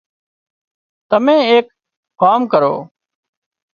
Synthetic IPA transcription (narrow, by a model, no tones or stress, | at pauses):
t̪əmẽːeːk | kaːmkəɾo̰ː